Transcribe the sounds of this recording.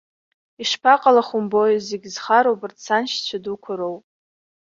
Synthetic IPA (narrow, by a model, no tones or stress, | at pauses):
iʂpʰaqʼalaχʊmbo̞jzeɡʲzχaɾowbɨrtt͡sʰanʃt͡ɕʷʰadukʷʰʊɾowpʼ